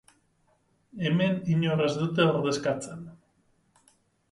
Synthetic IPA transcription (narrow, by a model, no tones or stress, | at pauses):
emeniɲore̞zðut̪̬eoɾðe̞skat͡sen